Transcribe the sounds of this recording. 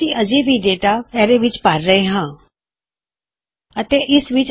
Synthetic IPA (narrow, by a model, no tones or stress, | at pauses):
iəd͡ʒibʱiɖeːʈaɛːɾeʋɪt͡ʃpaːɾːəɦeɦãː | ət̪eʔɪsʋɪt͡ʃ